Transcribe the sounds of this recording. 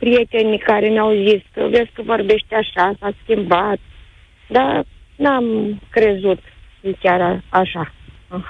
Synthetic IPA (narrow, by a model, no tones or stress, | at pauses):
pɾije̞t̪e̞nʲikaɾenauziskəveskəvo̞rbe̞ʃt̪ʲaʃasaskʲimbat̪̚ | d̪anamkɾe̞zut̪jekʲaɾaaʃa